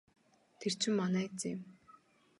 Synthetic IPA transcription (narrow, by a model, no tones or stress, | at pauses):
t̪ʰer̥t͡ɕʰɪ̆mːanæːt͡sːɪm